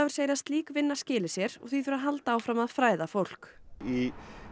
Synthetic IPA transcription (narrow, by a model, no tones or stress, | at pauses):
avʏɾ̥seːjɾast̪liːkvɪnːascɪːlɪsjɛɾɔ̰ɣθiθʏɾaɦalt̪aaːwfɾamaðfɾaːjðafowl̥ki